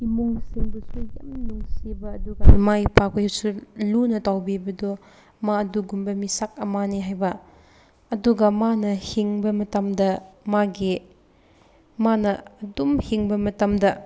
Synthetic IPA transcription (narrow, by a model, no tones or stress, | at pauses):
imuŋsiŋbɐsuja̰minuŋsibɐːduɡɐmaipʰak̚pɐjhusulunɐtawbibɐdɔ | maɐduɡumbɐmisak̚ɐmaniɦajbɐː | duɡɐmanɐhiŋbɐmɐtɐmdɐmaɡi | manɐɐdumhiŋbɐmɐtɐmdɐ